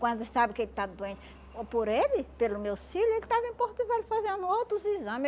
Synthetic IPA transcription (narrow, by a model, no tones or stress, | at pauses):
kwɐ̃d̪esabɪkelɪt̪ad̪uẽt͡ʃ | poɾelɪpelʊmewfilʊelɪt̪avĩpoɾt̪ivelɪfazẽnd̪ʊowt̪ɾʊzizɐ̃mɪ